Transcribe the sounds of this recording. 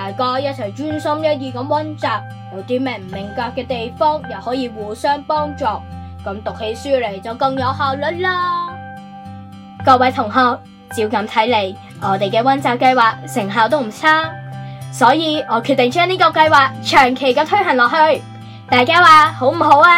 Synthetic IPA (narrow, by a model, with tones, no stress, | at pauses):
t̪aː˨˩jkɔː˧jɐ˥t̚t͡sʰɛ˨˩ŋt͡ʃyː˥nsɐ˥mjɐ˥t̚jiː˧kɐ˨˥mwɐ˥nt͡saː˨˩p̚ | ŋɔː˨˧t̪iː˨˧˥mɛ˨˩m̩˨˩mɪ˨˩ŋkaː˧kːɛː˧t̪e˨jfɔː˥ŋjɐ˨whɔː˨˥jiː˧wuː˨sœː˥ŋpɔː˥ŋt͡sɔː˨ | kɐ˨˧˥mt̪ʊ˨k̚he˨˧˥jsyː˥le˨˩jt͡sɐ˨˩wkɐ˧ŋjɐ˨˧whaː˨˧wlɵ˨˥n̚laː˥ | kɔː˧k̚wɐ˨˥jt̪ʰʊ˨˩ŋɦɔː˧k̚ | t͡siː˧wkɐ˨˧˥mt̪ʰɐ˨˥jle˨˧˥j | ʔɔː˨˧t̪e˨jkɛː˧wɐ˥nt͡saː˨p̚kɐ˧jwaː˨k̚sɪ˨˩ŋɦaː˨wt̪̬o˥wm̩˨˩t͡sʰaː˥ | sɔː˨˥jiː˨˧ɔː˨˧kʰy˧t̪ːɪ˨ŋt͡ʃœː˥ŋniː˥kɔː˧kɐ˧jwaː˨˧k̚t͡ʃʰœː˨˩ŋkʰe˨˩jkɛː˧t̪ʰɵ˥ɥɦɐ˨˩nlɔː˨k̚hɵ˧ɥ | t̪aː˨˧jkaː˥waː˨˧ho˨˥wm̩˨˩ho˨˥waː˧